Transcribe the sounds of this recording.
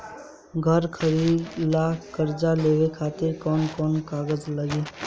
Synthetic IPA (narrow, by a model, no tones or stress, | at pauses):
ɡʱəɾkʰəɾiːd̪lakəɾd͡ʒaleːʋekʰaːt̪ɪɾkɔːnkɔːnkaːɡəzləɡeː